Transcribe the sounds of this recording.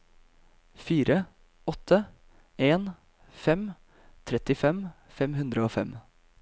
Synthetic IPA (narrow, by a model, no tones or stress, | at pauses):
fiːɾə | ɔt̪ʰə | eːn | fɛm | t̪ʰɾɛt̪ɪfɛm | fɛmɦʉnd̪ɾəoːfɛ̰m